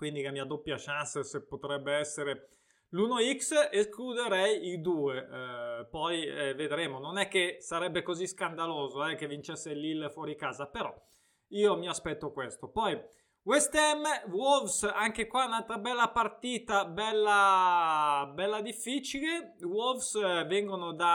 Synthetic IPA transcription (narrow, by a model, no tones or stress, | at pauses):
kwind̪ikemiad̪opːjaʃanssepːot̪ɾɛbːeɛsːeɾe | luːnoiksesklud̪eɾɛjid̪uːepɔjved̪ɾeːmononɛkːesaɾɛbːekoziskand̪aloːzoɛk̟ːevint͡ʃɛsːelilːfwɔːɾikaːzapeɾɔ | iːomiaspɛt̪ːokwest̪opɔj | west̪ɛmːwɔlvsaŋkekwaunalt̪ɾabɛlːapart̪iːt̪abɛlːa | bɛlːad̪ifːiːt͡ʃile | wɔlfsvɛŋɡonod̪a